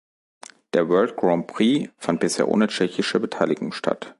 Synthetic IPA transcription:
d̥eːɐvɜːlt̚ɡ̥ʁaʊnpʰʁiːfant̚b̥ɪsheːɐʔo̰ːnət͡ʃɛçɪʃəbətʰaɪlɪɡʊŋʃtʰa̰t

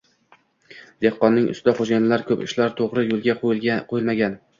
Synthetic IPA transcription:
d̪̥ehqːɒnːɪŋʔʊ̰sɪd̪aχod͡ʒajnɪlaɾkʰɵpɪ̰ʃlaɾt̪ʰoʁɾɪjolˠɡʲaqʰoqʰoɪlmaɡʲan

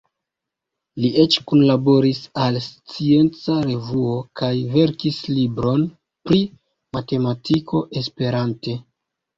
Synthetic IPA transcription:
liʔe̞t͡ʃkunlabo̞ɾisalst͡sie̞nt͡saɾe̞vuo̞kajve̞ɾkislibɾo̞n | pɾi | mate̞matʰikʰo̞ʔe̞spe̞ɾante̞

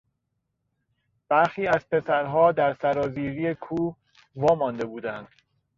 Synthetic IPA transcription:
b̥æɾxiːæz̥pʰe̞sæɾɦɒːd̪æɾsæɾɒːziːɾiːekʰuː | vɒːmɒːnd̪e̞buːd̪ænd̪̥

